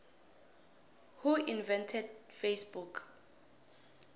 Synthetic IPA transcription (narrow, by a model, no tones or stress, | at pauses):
huinvɛ̃ntʰɛd̚fesbukʰ